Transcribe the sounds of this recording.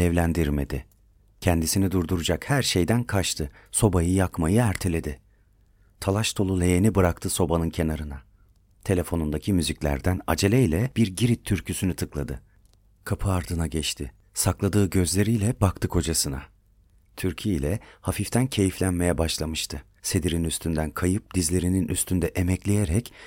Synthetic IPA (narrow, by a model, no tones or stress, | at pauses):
ɛvlʲænd̪iɾme̞d̪ɪ | cʰɛnd̪isinid̪uɾd̪uɾud͡ʒakhæɾʃe̞jd̪ænkʰat͡ʃt̪ʰɯso̞bajɯjakmajɯæɾt̪ʰe̞lʲe̞d̪ɪ | t̪ʰalˠaʃt̪ʰo̞lˠulʲe̞jenibɯɾakt̪ʰɯso̞banɯncʰe̞naɾɯna | t̪ʰe̞lʲe̞fo̞nund̪acʰimyziclʲæ̰ɾd̪æna̰d͡ʒe̞lʲɛilʲɛb̥iɾɟiɾit̪ʰːyɾcʰysynyt̪ʰɯklˠad̪ɯ | kʰapʰɯaɾd̪ɯnaɟɛt͡ʃt̪ʰɪ | saklˠad̪ɯːɟø̞zlʲe̞ɾijlʲɛbak̚t̪ʰɯkʰo̞d͡ʒasɯna | t̪ʰyɾcʰijilʲɛhafift̪ʰæncʰe̞jiflʲænme̞jɛbaʃlˠamɯʃt̪ʰɯ | se̞d̪iɾinyst̪ʰynd̪ænkʰajɯp̚d̪izlʲe̞ɾininʔyst̪ʰynd̪ɛʔemɛclʲejeɾɛc